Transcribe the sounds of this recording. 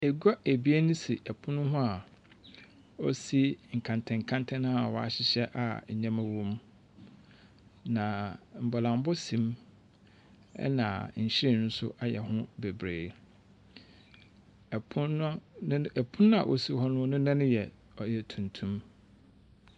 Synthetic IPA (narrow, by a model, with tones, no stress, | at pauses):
e˨ɡa˦ʔæ˨bi˦e˦nʊ̃˦si˨ʔɛ˨pʰʊ̃˦nʊ̃˦ɦʊ̃˦a˨ | ɔ˦si˦ŋ̩˨kʰã˨ntʰɛ̃˨ŋ̩˨kʰã˦ntʰɛ̃˦ñ˦a˨wɔ˨a̰˨ɕɪ˦ɕɛ˦ʔa̰˨ɲã˦mæ̃˨wɔ̃˦m | nã˨m̩˨bɔ˨lã˨m˦bɔ˦sĩ˨m | ɛ̰˦nã̰˨ɲ̩˨ɕɪ˦ɾe˦˨n̩˦sʊ̰˦ʔa˨jɛ̰˨ɦʊ̃˦be˨bɾeː˨ | pʰʊ˦˨pʰʊ̃˦nʊ̃˦a̰˨ʔo̰˦si˦hɔ˦nʊ̃˦nʊ̃˦nã˦nʊ̃˦jɛ˨ | ɔ˨jɛ˨tʰũ˨ntʰũ˦m